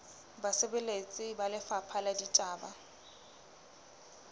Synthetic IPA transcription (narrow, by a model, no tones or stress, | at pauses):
basebelet͡sʼɪbalɪfapʰaladitʼaːba